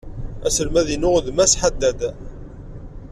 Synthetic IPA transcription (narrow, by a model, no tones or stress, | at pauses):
æsəlmæðinʊʁðmæsħad̪ːæd̪